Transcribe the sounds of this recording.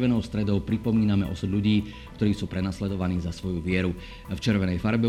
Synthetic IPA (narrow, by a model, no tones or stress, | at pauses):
ʋɛnɔʊst̪ɾɛd̪ɔʊpɾipɔmiːnamɛʔɔ̰sud̪ʎuɟiː | kt̪ɔɾiːsuːpɾɛnaslɛd̪ɔʋaniːzasʋɔjuʋɪɛɾu | ft͡ʃɛɾʋɛnɛjfaɾbɛ